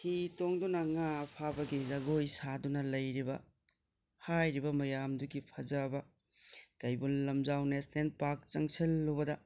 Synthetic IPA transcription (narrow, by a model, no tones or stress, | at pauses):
hitoŋdunɐŋapʰabɐɡizɐɡojsadunɐlɐjɾibɐ̰ | hajɾibɐmɐjamduɡipʰɐd͡ʒɐbɐ | kɐjbunlɐmzawnesnenpak̚t͡ʃɐŋsilːobɐdɐ